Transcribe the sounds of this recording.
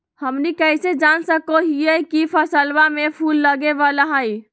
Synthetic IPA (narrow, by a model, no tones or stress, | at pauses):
həmnikəjsed͡ʒansəkoɦijəkipʰəsəlbamepʰulːəɡeʋalaɦəj